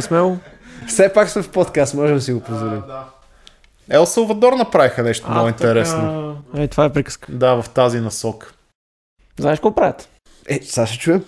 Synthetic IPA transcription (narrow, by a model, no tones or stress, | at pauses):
smɛo | fsɛpaksmɛfpɔt̪kast̪mɔʒɛmsiɡopozvolim | ɛlˠsəlˠvɐd̪ɔɾnɐpɾavixənɛʃt̪omoʊint̪ɛɾɛsnoit̪ovaɛpɾikə̥skd̪avɐft̪azinɐsɔkə̥ | znaɪʃkɔlkpɾaɛt̪ | ɛsaʃɛt͡ʃuɛm